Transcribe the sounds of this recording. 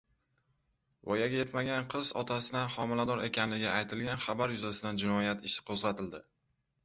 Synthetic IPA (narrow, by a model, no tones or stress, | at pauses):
vɒjaɡʲaje̞t̪maɡʲanqʰɨzɒ̰t̪ʰasɪd̪anχɒmɪlad̪ɒɾe̞kʲanlɪɡʲɪajt̪ʰɪlɡʲanχabaɾjʊzasɪd̪and͡ʒɪnɒjat̪ɪʃɪ̥qʰozʁɑt̪ʰɪld̪ɪ